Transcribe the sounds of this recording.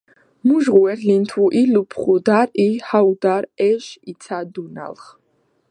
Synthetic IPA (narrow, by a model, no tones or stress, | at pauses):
muʒʁuɛɾlint̪ʰuʔilupʰχud̪aɾihawd̪aɾɛʃit̪sʰad̪una̰lχ